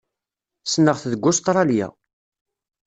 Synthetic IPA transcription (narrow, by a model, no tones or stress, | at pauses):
snəʁθðəɡʷːʊst̪ɾˤɑljæ̰